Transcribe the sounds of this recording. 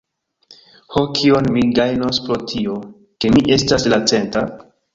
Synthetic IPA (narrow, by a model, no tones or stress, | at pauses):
hokʰionmiɡajnospɾo̞tʰio̞ | ke̞miʔe̞staslat͡se̞nta